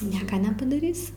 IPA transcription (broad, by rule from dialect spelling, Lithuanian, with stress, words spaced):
ˈnʲiɛkɐ nʲɛpɐdɐˈrʲiːsʲɪ